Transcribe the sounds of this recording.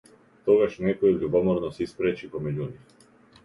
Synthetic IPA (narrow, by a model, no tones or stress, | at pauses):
t̪ɔɡaʃnɛkɔjɛbɾivɔmɔɾnɔsɛispɾɛt͡ʃipɔmɛɟunix